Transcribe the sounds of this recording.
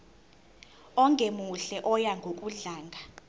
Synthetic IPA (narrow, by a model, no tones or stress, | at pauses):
ɔŋʱemuɬɛʔɔjaŋɡʱokʼuɮaːŋɡʱa